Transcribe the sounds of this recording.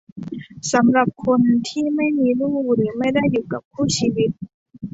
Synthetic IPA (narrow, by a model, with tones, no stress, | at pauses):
sa˩˦mɾa˨˩p̚kʰo˧nt̪ʰiː˥˩ma˥˩jmiː˧ɾuː˥˩ɾɯː˩˦ma˥˩jda˥˩jːuː˨˩ka˨˩p̚kʰuː˥˩t͡ɕʰiː˧wi˦˥t̪̚